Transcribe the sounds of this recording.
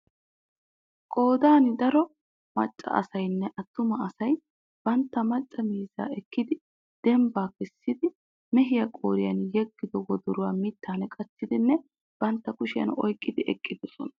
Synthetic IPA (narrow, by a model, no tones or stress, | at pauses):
kʼo̞ːd̪aːnɪd̪ɐɾɔ | mɐ̰t͡ʃʼːɐ̰ʔɐ̰sɐjnːɛʔɐt̪ːʊmɐɐsɐj | b̥ɐnt̪ːɐmɐt͡ʃʼːɐmiːza̰ːɛkːɪd̪ɪ | d̪̥ɛmbaːkɪsːɪd̪ɪ | mɛɦɪjɐkʼo̰ːɾɪjɐnjɛɡːɪd̪ɔwɔd̪ɔɾʊwaːmɪt̪ːaːnɛkʼɐt͡sːɪd̪ɪnːɛ | b̥ɐnt̪ːɐkʊʃɪjɐ̰nɔ̰jkʼːɪd̪ɪʔɛkʼːɪd̪ɔsɔ̰nɐ